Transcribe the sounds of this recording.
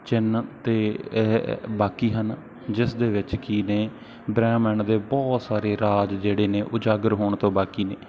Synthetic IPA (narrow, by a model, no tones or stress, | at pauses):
t͡ʃɪnt̪eː | baːkiːɦən | d͡ʒɪsd̪eːʋɪt͡ʃkiːneː | bɾɛːmɛɳd̪eːbɔːt̪saːɾeːɾaːd͡ʒd͡ʒeːɽeːneːʔʊd͡ʒaːɡəɾɦoːɳt̪õːbaːkiːneː